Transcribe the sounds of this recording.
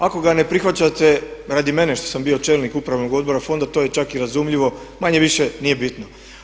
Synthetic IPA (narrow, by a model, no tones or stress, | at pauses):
ako̞ɡane̞pɾixʋat͡ɕat̪e̞ɾad̪ime̞ne̞ʃt̪o̞̥sambio̞t͡ʃe̞ːlnikupɾaʋno̞ɡo̞d̪bo̞ɾafo̞nd̪at̪o̞ːje̞t͡ʃakiɾazumʎiʋo̞ | maɲe̞ʋiʃenije̞bit̪no